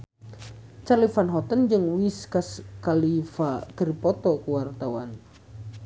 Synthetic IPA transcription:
t͡ʃalifanɦɔt̪ənd͡ʒɨŋwiskaskalifakərpɔt̪ɔkuwart̪awan

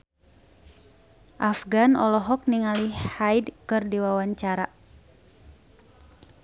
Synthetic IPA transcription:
ʔafɡanɔlɔɦɔk̚niŋalihajdkɨrdiwawaɲt͡ʃaɾa̰

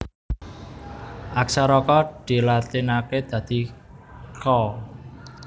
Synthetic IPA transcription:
ʔaksaɾɔkɔd̪̥i̤lat̪inaked̪̥ä̤d̪̥i̤ | kɔ

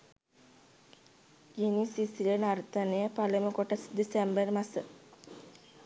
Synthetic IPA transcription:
jinisisilənaɾt̪anəjəpaləməkoʈəsd̪isembərmasə

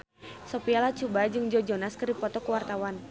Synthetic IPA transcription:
sɔpialat͡ʃubad͡ʒɨŋd͡ʒɔd͡ʒɔnaskɨrdipɔt̪ɔkuwart̪awan

